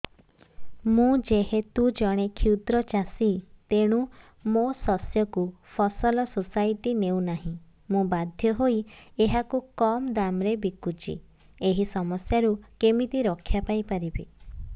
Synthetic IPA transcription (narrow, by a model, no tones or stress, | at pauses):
mũd͡ʒeɦet̪ud͡ʒɔɽ̃ekʰiwt̪ɾɔt͡ʃasit̪eɽ̃ũ | mosɔsjɔku | pʰɔsɔlɔsosajʈineuw̃naɦĩ | mũbad̪ʱjɔɦoieɦakukɔmd̪amɾebikut͡ʃḭ | eɦisɔmɔsjaɾukemit̪iɾɔkʰːjapajpaɾibḭ